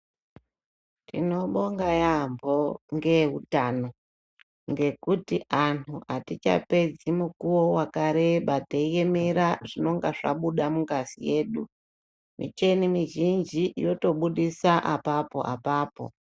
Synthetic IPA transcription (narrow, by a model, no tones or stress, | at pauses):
tḭno̞ɓo̞ŋɡajambo̞ŋɡe̞ɦutaːno̞ | ŋɡe̞kutianʰuʔatit͡ʃa̰pe̞d͡zimukuwo̞wakaɾe̞ɓateje̞me̞ɾaʐino̞ŋɡaʐa̰ɓuɗamuŋɡazḭje̞ːɗu | mḭt͡ʃe̞nimiʒind͡ʒijo̞to̞ɓuɗisaʔapapo̞̰ʔa̰paːpo̞̰